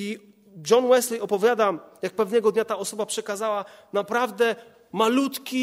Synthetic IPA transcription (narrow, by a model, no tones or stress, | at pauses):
i | d͡ʒɔnwɛsliɔpɔvʲjad̪ajak̚pɛvnɛɡɔd̪ɲat̪aɔsɔbapʂɛkazawa | napɾavd̪ɛ | malut̪kʲi